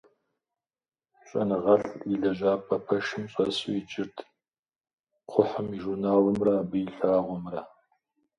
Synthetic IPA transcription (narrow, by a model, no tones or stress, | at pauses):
ɕʼɐ̰nɨʁɐɬʼiɮɐʒaːpʰʼɐpʰɐʃɨmɕʼɐsṵid͡ʒʼɪrtʰ | qʷʰʊħʊmiʒurnaːlɨmrabɨjɬaːʁʷʊmrɐ